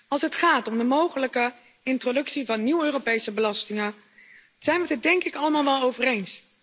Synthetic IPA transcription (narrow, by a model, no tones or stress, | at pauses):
ɑlˠsɦətχaːtɔmdəmowχələkə | ɪntrodɵksivɑnːiwøːropejsəbəlɑstɪŋə | z̥ɛjnʋədɪdɛŋkɪkɑləmaːlˠʋɛlˠowvərejns